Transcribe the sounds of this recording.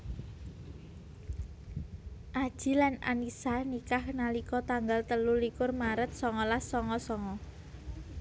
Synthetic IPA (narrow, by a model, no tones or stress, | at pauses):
ʔad̥ʒ̥i̤lana̰nisanikahnalikɔt̪aŋɡalt̪əlulikʊrmaɾət̪̚sɔŋɔlasɔŋɔsɔŋɔ